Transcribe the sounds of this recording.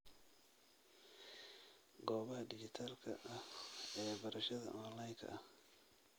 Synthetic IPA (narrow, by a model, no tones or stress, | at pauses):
ɡɔːβɐhɐɖɪd͡ʒɪt̪ʰaːlkʰɐ̰ʔɐɛːbɐɾɐʃɐðɐ̰ʔɔːnlajŋkʰɐ̰ʔɐh